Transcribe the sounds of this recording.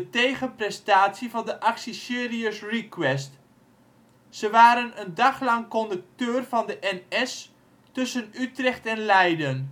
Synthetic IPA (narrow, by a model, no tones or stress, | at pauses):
dətejχənprɛstaːtsivɑndəʔɑksisɪːriəsrikwɛst | səʋaːɾənəndɑχlɑŋkɔndək̚tøːrv̥ɑndəʔɛnɛs | tɵsənytrɛχtɛnlɛjdən